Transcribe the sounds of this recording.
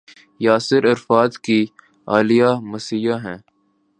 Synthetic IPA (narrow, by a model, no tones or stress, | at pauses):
jaːsɪɾɐɾfaːd̪ki | aːlɪjamɐsijaɦɛ̃ː